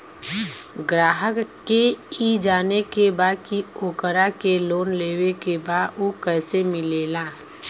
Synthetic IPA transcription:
ɡɾaːɦəkːeid͡ʒaːnekebaːkioːkəɾakeloːnleːwekebaːokɛːsemɪleːlaː

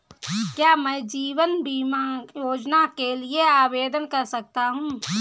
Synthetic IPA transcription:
kjaːmɛːd͡ʒiːwənbiːmajoːd͡ʒnakelieaːweːd̪ənkɐɾsɐk̚t̪aɦũː

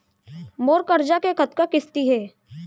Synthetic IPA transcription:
moːɾkəɾd͡ʒakekət̪̚kakɪst̪iɦɛː

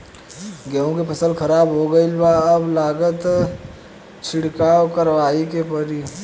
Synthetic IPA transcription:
ɡɛõkepɐsəlkʰɐɾaːbɦoɡəilbaɐblaːɡət̪ | t͡ʃʰɪɽkaːwkəɾʋaːikepəɾi

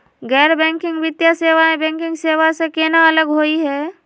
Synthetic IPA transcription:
ɡɛːɾbɛ̃ːŋkɪ̃ŋɡʋɪt̪jaseːʋaẽbɛ̃ːŋkɪ̃ŋɡseːʋasekenaɐləɡɦoːiɦɛː

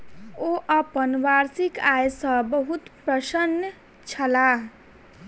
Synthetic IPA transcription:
oʔʌpənʋaɾsikajsʌ̃bəɦut̪pɾəsənə | t͡ʃʰəla

